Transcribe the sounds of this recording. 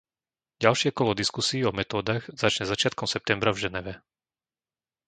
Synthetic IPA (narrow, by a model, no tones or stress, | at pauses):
ɟalʃɪɛkɔlɔd̪iskusiːɔmɛt̪ɔːd̪aɣz̥at͡ʃɲɛzat͡ʃɪat̪̚kɔmsɛp̚t̪ɛmbɾavʒɛnɛʋɛ